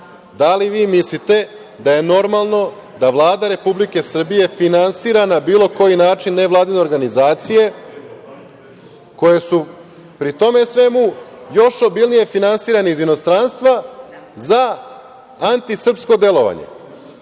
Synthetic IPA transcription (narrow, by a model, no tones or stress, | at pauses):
d̪aliʋiːmislit̪e̞ | d̪aje̞no̞ɾmalˠno̞ | d̪aʋlˠaːd̪aɾe̞publike̞sr̩bije̞finansiːɾanabiːlˠo̞ko̞jinaːt͡ʃinːe̞ʋlˠaːd̪ine̞ɾɡanizaːt̪sije̞ | ko̞je̞su | pɾit̪o̞me̞sʋe̞mujo̞ʃo̞bilˠnije̞finansiːɾaneizino̞st̪ɾanst̪ʋaza | ant̪isr̩psko̞d̪e̞lˠo̞ʋa̰ɲḛ